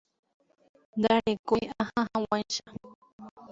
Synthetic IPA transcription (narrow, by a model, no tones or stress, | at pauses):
d̪aɾɪkʊjahahawanʃa